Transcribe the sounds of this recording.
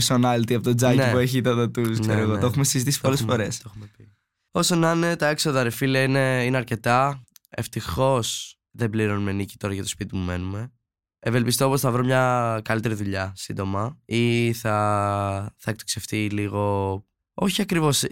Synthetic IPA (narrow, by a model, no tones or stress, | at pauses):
ɾsonɐlt̪iɐpot̪od͡zɐknpueçit̪ɐðɐt̪uskseɾoeɣot̪oxumesizit̪isi̥p̪olesfoɾe̞st̪oxumepi | o̞sonɐnet̪ɐeksoðɐɾefiliɐine̞ineɐɾce̞t̪ɐe̞ft̪ixo̞s | ðebliɾo̞nume̞nici̥t̪o̞ɾɐʝɐt̪ospit̪imume̞nume̞ | eve̞lpist̪ooposθɐvɾo̞mɲɐkɐlit̪e̞ɾiðuʎɐsind̪o̞mɐiθɐ | θɐek̚t̪okseft̪iliɣo̞ | o̞çiɐkɾivo̞s